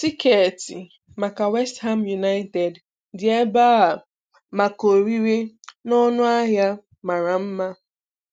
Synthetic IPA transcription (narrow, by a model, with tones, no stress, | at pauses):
ti˦ke˨ti˨ | ma˨ka˨wɛ˦stɦa˦mju˨na˦ɪ˦te˨d | dɪ˨e˦ba˦a˨ | ma˨ko˨ɾi˦ɾe˦nɔ˦nʊ˦a˦ɦja˦ | ma˨ɾa˨m̩˦ma˦